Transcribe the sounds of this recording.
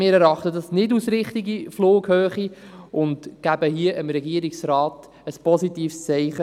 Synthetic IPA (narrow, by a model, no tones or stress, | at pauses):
mɪːɾɛɾɑχtədɑsnɪdusɾɪχtiɡifloːkhøːχiʊndɡ̥æbəɦiəʔəmɾɛɡiəɾiksɾɑːt | əspɔsitiːfst͡sɛɪχə